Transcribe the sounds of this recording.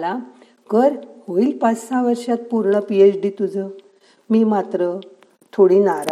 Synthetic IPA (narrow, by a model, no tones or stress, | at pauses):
la | kəɾhoiːlpat͡ssãʋəɾʂat̪̚puɾɳəpiet͡ɕɖit̪ud͡zʱə | miːmat̪ɾə | t̪ʰoɽinaɾa